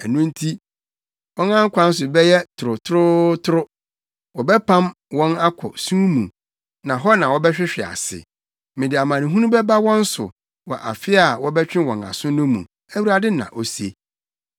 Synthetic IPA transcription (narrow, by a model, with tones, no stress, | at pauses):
ɛ˨nũ˦n̩˦tʰi˦ | wɔ̃˦nã˦ŋ̩˦kʷʰa˨n̩˦s̬ʊ˨bɛ˦jɛ˦tʰʊ˨ɾʊ˨tʰʊ˦ɾʊ˦tʰʊ˦ɾʊ˦ | wɔ˨bɛ˦pʰã˦m | wɔ̃˦na˦kʰɔ̰˨sũː˦mũ˨ | nã˨ɦɔ˦nã˨wɔ˦bɛ˦ɕᶣɪ˦ɕᶣɪ˨a̰˨sɪ̰˨ | mɪ̃˨dɪ˨a˨mã˨nĩ˨ɦũ˦nũ˦bɛ˦ba˦wɔ̃˦n̩˦sʊ̰˨ | wɔ̰˨ʔa̰˨fɪ˦a˨wɔ˦bɛ˦t͡ɕᶣɪ̃˦wɔ̃˨na̰˨sʊ̃˦nʊ̃˦mṵ̃˨ | æ˦wu˦ɾa˦dɪ˦nã̰˨ʔo˨se˦